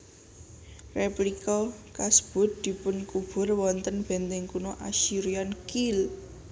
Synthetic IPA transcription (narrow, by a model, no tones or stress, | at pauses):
replikɔkasb̥ʊ̤t̪̚d̪̥i̤pʊnkub̥ʊ̤rwɔnt̪ənb̥ɛ̤nt̪ɛŋkunɔʔaʃiɾiankil